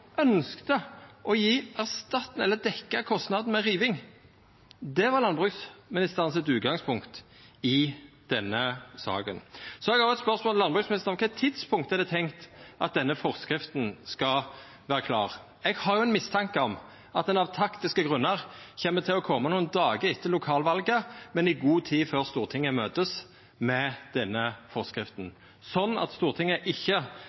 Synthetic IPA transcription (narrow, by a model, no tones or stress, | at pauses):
ʔœnskt̪əʔɔjiːæʁst̪ɑt̪n̩ɛlːəd̪ɛkːəkʰɔst̪nɑd̪n̩mɛʁiːʋɪŋ | d̪ɛʋɑʁlɑnbʁʉɡsmɪnɪst̪əʁənsɛt̪ʉːt̪̚ɡɑŋspʰʊŋkt̪ | ɪd̪̥ɛnːəsɑ̰ːkə̰nsɔɛɡɑɾjʊɛt̪spœʁsmɔllɑnbʁʉːksmɪnɪst̪əʁɔmkʰɛt̪ʰɪd̪spʰʊŋkt̪əɛd̪ɛt̪ʰɛŋkt̪ʔɑ̰t̪̚d̪ɛnːəfɔʁskɾɪft̪n̩skɑ | ʋæːʁəkʰlɑːʁ | ɛɡhɑʁjʊɛnmɪst̪ʰɑŋkəɔm | ɑt̪̚d̪ɛnɑʋt̪ʰɑkt̪ɪskəɡʁʉnːəʁçɛmːət̪ʰɪlɔkʰɔmənuːənd̪ɑːɡəɪt̪ʰːəlʊkʰɑːlʋɑlɡəmɛnɪɡuːt̪ʰiːføːʁst̪uːʁt̪ʰɪŋːəmøːt̪əs | mɛd̪̥ɛnːəfɔʁskɾɪft̪n̩ | sɔnːɑ̰t̪st̪uːʁt̪ʰɪŋːəʔɪçːə